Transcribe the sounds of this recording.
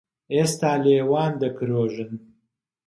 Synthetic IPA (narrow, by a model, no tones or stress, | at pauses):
eːst̪aːleːwaːnd̪ɐkʰɾoːʒɨn